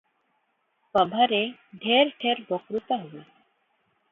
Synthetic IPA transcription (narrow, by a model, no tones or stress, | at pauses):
pəbʱaɾeɖʱeɾʈʰeɾbɔkɾut̪aɦowe